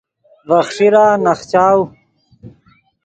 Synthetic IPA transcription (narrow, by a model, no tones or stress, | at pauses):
vɐxʂiɾaːnɐxt͡ɕaːw